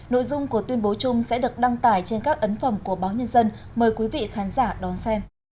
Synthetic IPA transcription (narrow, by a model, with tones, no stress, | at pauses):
no̰˧˨jzʊ˧ŋ͡mku˧˩ət̪wi˧ənɓo˨˦t͡ɕʊ˧ŋ͡msɛ̰˧˥ɗɨ˨˩ək̚ɗa˧ŋt̪aː˧˩jt͡ɕe˧nkaː˦˥k̚ʔə˨˦nfə˧˩mku˧˩əɓaː˨˦wɲə˧nzə˧n | məː˨˩jkwi˨˦vḭ˧˨xaː˨˦nzaː˧˩ɗɔ˨˦nsɛ˧m